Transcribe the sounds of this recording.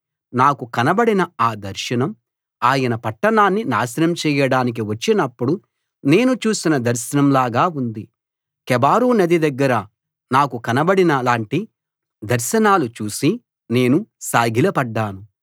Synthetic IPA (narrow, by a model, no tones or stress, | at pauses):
naːkukɐnɐbɐɽinɐaːd̪ɐɾʃɐnɐm | aːjɐnɐpɐʈːɐɳaːnːina̰ːsɐnɐmt͡ʃɛːjɐɽaːnik̬iʋɐt͡ʃːinɐpːuɽu | ne̞ːnut͡ʃuːsinɐd̪ɐɾʃɐnɐmlaːɡaːund̪i | kɛbaːɾuːnɐd̪id̪ɐɡːɐɾɐ | naːkukɐnɐbɐɽinɐlaːɳʈi | d̪ɐɾʃɐnaːlut͡ʃuːsi | ne̞ːnusaːɡʱilɐpɐɖːaːnu